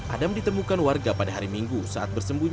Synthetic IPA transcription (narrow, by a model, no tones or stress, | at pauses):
ʔa̰damdit̪əmukanwarɡapadaɦaɾimiŋɡusaʔat̪̚bərsəmbuɲ